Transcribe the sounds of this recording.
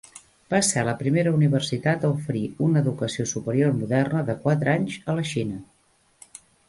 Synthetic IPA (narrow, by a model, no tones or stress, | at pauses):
b̥asɛləpɾimeɾəuniβ̞ərsit̪at̪əufəɾiunəðukəsiosupəɾiormuðɛrnəðəkwat̪ɾaɲzələʃinə